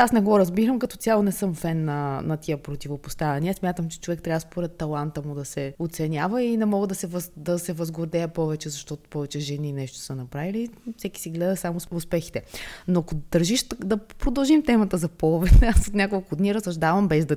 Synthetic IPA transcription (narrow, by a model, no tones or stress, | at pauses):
asnɛɡɔɾɐzbiɾəmkɐt̪ɔt̪sʲjalˠonɛsɤmfɛnːɐnɐt̪iəpɾot̪ivopost̪avɛnʲiəsmʲjat̪əmt͡ʃɛ̥t͡ʃovɛkt̪ɾʲabvəspoɾɛt̪ːɐlˠant̪əmud̪ɐsɛot̪sɛnʲjavəinɛmɔɡəd̪ɐsɛvəzd̪ɐsɛvɐzɡʊɾd̪ɛɛpɔvɛt͡ʃɛzɐʃt̪ɔt̪ʊ̥pɔvɛt͡ʃɛʒɛninɛʃt̪o̥sənɐpɾavilifsɛki̥siɡlɛd̪əsamʊsʊspɛxi̥t̪ɛnoɐkod̪ɐɾʒiʃd̪ɐpɾod̪ɐlˠʒimt̪ɛmɐt̪əzɐpɔlˠvɛt̪asot̪nʲjakolˠkʊd̪niɾəsɐʒd̪avəmbɛzd̪ɐ